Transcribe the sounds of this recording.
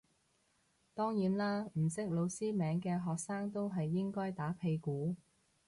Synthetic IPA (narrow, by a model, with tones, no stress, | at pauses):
t̪ɔː˥ŋjiː˨˥nlaː˥m̩˨˩sɪ˥k̚lo˨˧wsiː˥mɛː˨˥ŋkɛː˧ɦɔː˨k̚saː˥ŋt̪o˥wɦɐ˨jːɪ˥ŋkɔː˥jt̪aː˨˥pʰe˧jkuː˨˥